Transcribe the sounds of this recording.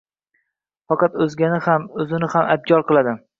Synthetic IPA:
fɑqɑt̪ɵzɡʲanɪhamɵzɪnɪhamʔa̰b̚ɡʲɒɾqɨlˠad̪ɪ

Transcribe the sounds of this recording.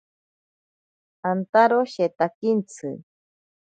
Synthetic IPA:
ant̪aɾoɕet̪akint͡sʰɨ̰

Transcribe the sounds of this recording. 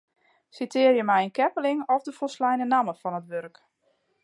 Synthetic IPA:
sitʰɪːərjəmɛjənkɛpəlɪŋɔfdəfoslɛjnənaməfɔnətʋørk

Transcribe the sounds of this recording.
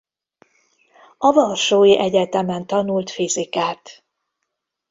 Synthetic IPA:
ɒvɒlʃoːjiʔɛɟɛt̪ɛmɛnt̪ɒnult̪fizikaːt̪

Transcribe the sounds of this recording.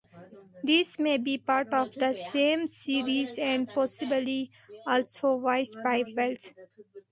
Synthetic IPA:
d̪ɪsmeːbiːpaːɾʈɔːʋd̪əsẽːmsiːɾiːzɛ̃ɳɖ̚pɔːsɪbəli | ɔːlsoːʋaɪsbaɪʋɛlt̪

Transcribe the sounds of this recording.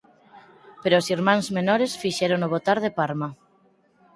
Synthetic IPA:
peɾoːsiɾmãŋzmenɔɾesfiʃeɾonoβ̞ot̪aɾðepaɾma

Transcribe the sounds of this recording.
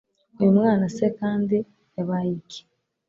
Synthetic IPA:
emwaːnasekaːndi | eβajikʰi̥

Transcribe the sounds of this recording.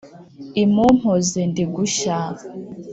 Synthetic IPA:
imum̥hozendiɡuʃa

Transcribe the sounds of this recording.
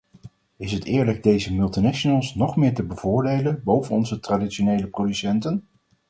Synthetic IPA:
ɪsɦətɪːɹləɡ̚dejzəmɵlˠtinɛʃonəlˠsnɔχmɪːɹtəbəvʊːɹdejlənbowvənɔnzətraditʃonejləprodysɛntən

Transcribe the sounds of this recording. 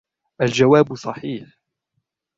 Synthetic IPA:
ʔald͡ʒawaːbsˤɑħiːħ

